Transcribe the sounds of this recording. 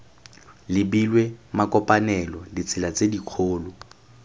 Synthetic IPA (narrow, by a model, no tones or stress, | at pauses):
lɪbilwemakʼɔpʼanɛlɔdit͡sʰɪlat͡sʼediq͡χʰoːlʊ